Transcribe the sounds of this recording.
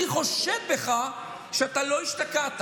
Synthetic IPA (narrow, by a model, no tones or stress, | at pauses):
iχo̞ʃevbe̞χa | ʃeat̪alo̞iʃtakat̪